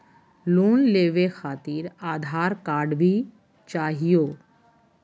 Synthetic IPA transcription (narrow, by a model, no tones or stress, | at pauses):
luːnleːʋexʰaːt̪iːɾaːd̪ʱaːɾkaːɾɖbʱi | t͡ʃaːɦijo